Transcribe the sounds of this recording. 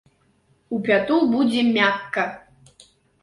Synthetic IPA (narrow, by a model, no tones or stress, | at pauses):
upʲat̪ulbud͡zʲɛmʲakːɐ